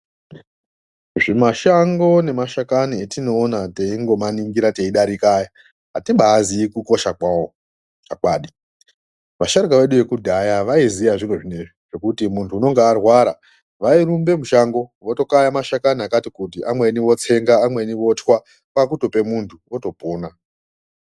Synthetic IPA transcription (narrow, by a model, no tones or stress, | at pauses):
ʐimaʃaŋɡo̞ne̞maʃakanietino̞ːnate̞iŋɡo̞maniŋɡiɾate̞iɗaɾikaja | ɦatiɓaːziːkuko̞ʃakwao | t͡ʃakwaːɗi | ʋaʃaɾikaʋe̞ɗuʋe̞kudʱajaʋaizijaʐiroʐine̞ʐiʐ̥e̞kutimuntʰuːno̞ŋɡeːrwaɾa̰ | ʋairumbe̞muʃaŋɡo̞ʋo̞to̞kajamaʃakaniakatikut̬iʔamwe̞ːniʋo̞t͡se̞ŋɡaːmwe̞ːniʋo̞twa | kak̬uto̞pe̞muntʰuoto̞poːna